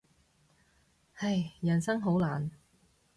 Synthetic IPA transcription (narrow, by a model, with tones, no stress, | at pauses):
hɐ˨˧jjɐ˨˩nsɐ˥ŋɦo˨˥wlaː˨˩n